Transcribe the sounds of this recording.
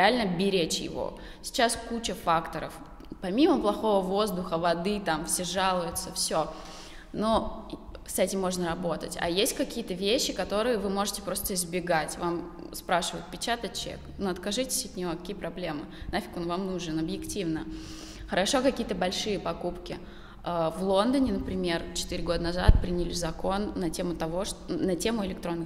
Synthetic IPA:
ɪalʲnəbʲɪɾʲet͡ɕjɪ̰vo̰ | sʲɪ̥t͡ɕaskut͡ɕəfakt̪əɾə̰f | pɐmʲiməplˠɐxo̞vəvo̞zd̪ʊxəvɐd̪ɨt̪amfsʲeʐalˠʊjʊt̪səfsʲo | no | sɛtʲɪmːo̞ʐnəɾɐbo̞t̪ə̰tʲɐ̰jesʲt̚ʲkɐkʲijət̪əvʲeɕːɪkɐt̪o̞ɾɨjəvɨmo̞ʐɨtʲɪ̥pɾo̞st̪əɪzbʲɪɡatʲvam | spɾaʂɨvəjɪt̪̚pʲɪt͡ɕat̪ət͡ɕːɪ̰knuɐt̪kɐʐɨtʲɪ̥sʲɐt̪nʲɪvoɐkɐkʲijəpɾɐblʲe̞mɨ̰nafʲɪ̥konvamnuʐɨnɐbjɪktʲivnə | xəɾɐʂo̞kɐkʲijət̪əbɐlʲʂɨjəpɐkupkʲɪ̰ | əvlˠo̞nd̪ənʲɪnəpɾʲɪmʲe̞rt͡ɕɪ̥t̪ɨɾʲɪɡo̞d̪ənɐza̰t̪̚pɾʲinʲɪlʲɪzɐko̞nːɐtʲemʊt̪ɐvo̞ʂnɐtʲe̞mʊɪlʲɪkt̪ɾo̞nːɨ

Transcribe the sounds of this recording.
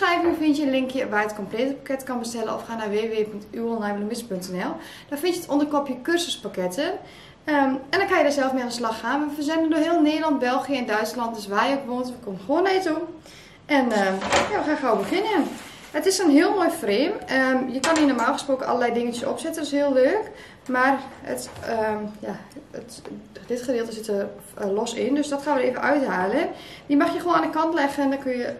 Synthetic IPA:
rɛjvɪnəfɪntjəənlɪŋkʰjəʋajətkompleːtəpḁkɛtkɔnbəstɛlə̰nɔ̰fxaːnaʋeːʋeːpøŋtyəlˠnɛjvələmɪspøntɛnɛlˠ | d̥ɔfɪntjətondərkopjəkørsəspakɛtə | əɛndɔnkʰaːjədasɛlˠfmɪandəslɑxaːnʋəfərzɛndəndohiːəlˠneːdəlɔnt̚bɛlˠxijəɛndœɥtslɔnt̚dsʋaːjokʋoːntʋəkʰoməxoəneːtun | ʔɛnəjaːʋəxaxawəbəxɪnjən | ətɪsənɦiəlˠmoːjfreːmjəkɔninomaːlˠxə̥sproːkənɔ̰ləlɛjdɪŋənjəso̰psɛtənɪshiəlˠløːk | marə̰t | jaətdɪtχədɪəlˠtəsɪtərlosɪndøsdɔtxaːnʋəlˠeːvənʔœɥtɦaːlˠəədimaxjəxoːnandəkɑntlɛxəndɔkøjə

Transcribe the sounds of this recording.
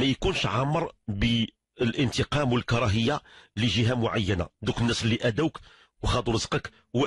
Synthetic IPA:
mæjkunʃʕamːəɾˤbə | lʔənt̪əqɑmwəlkɑɾˤɑɦəjːaliʒiɦæmʊʕajːəna̰d̪ukənːæslːiʔæd̪æwk | wxɑd̪ˤuɾəzqək | wə

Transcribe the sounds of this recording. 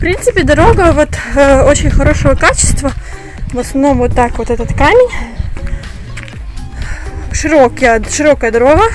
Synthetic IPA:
fpɾʲint̪sɨpʲɪd̪ɐɾo̞ɡəvot̪əot͡ɕɪnʲxɐɾo̞ʂəvəkat͡ɕɪ̥st̪və | vəsnɐvno̞mvot̪ːakvot̪ɛt̪ət̪kamʲɪnʲ | ʂɨɾokjəʂɨɾo̞kəjəd̪ɐɾoɡə

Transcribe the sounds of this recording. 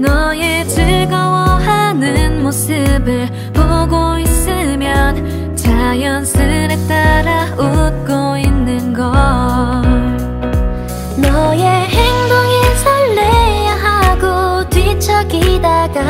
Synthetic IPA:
nʌjet͡ɕɯɭɡʌwʌhanɯnmos͈ɯbɯɭ | poɡois͈ɯmjʌn | t͡ɕajʌnsʰɯɾet͈aɾaut̚k͈oinːɯnɡʌ | nʌjeheŋd̪oŋesʰaɭːejaɦaɡotwit͡ɕʰʌɡidaɡa

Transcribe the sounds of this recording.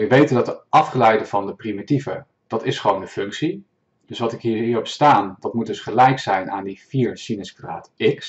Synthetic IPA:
ʋəʋejtəndɑtəʔɑfχəlɛjdəvɑndəprimitivə | d̥ɑtɪsχəʋowndəfʏŋksi | d̥ɵsʋɑtɪkɦiːɦiːɹɔpstaːndɑtmut̚dɵsχəlɛjksɛjnʔaːndifiːɹsinəskra̰ːtɪks

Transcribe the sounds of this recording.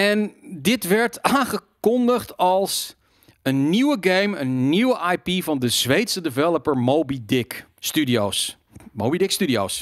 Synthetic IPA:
ɛndɪtʋɛɹtaːnχəkɔndəχtɑlˠs | ənːiwəɡejmənːiwəʔajpivɑndəz̥ʋejtsədəvɛlˠəpəɹmowbidɪkː | tydioːs | mowbidɪkstydioːs

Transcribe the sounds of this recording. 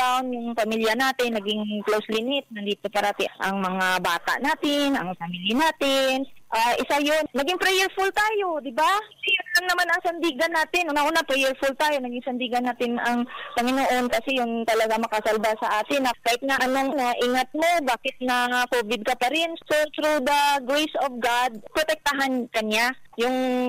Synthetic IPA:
t̪awnjʊŋpɐmiljɐnaːt̪ɪnːɐɡɪŋklowslɪnɪt̪̚nɐnd̪iːt̪opɐɾat̪ɪʔʔɐŋmɐŋabaːt̪a̰ʔnaːt̪ɪnʔɐ̰ŋpɐmilɪnaːt̪ɪnʔaʔɪsajonnɐɡɪŋpɾɛjɛɹfʊlt̪aːjod̪ɪbaʔɪsajʊnlaŋnɐmanɐŋsɐnd̪iɡɐnːaːt̪ɪnʔʊnɐʔuːnapɾɛjɛɹfʊlt̪aːjo̞nɐɡɪŋsɐnd̪iɡɐnːaːt̪ɪnɐŋpɐŋɪnoʔo̞nkɐsɛjʊnt̪ɐlɐɡamɐkɐsɐlbasɐʔaːt̪ɪnːɐkahɪt̪̚nɐʔɐnoŋnoʔiːŋɐt̪̚mo̞baːkɪt̪̚nɐŋakoːvɪd̪̚kɐpɐɾɪnsot̪ɾud̪ɐɡɹejsovɡad̪̚pɾot̪ɛk̚t̪ɐɦankɐɲajʊŋ

